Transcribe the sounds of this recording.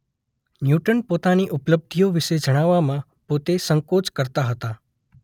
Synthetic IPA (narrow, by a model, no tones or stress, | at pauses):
njuʈənpot̪aniʔupləb̚d̪ʱijoʋiʃed͡ʒəɽ̃aʋːamã | pot̪esəŋkot͡ʃkəɾt̪aɦət̪a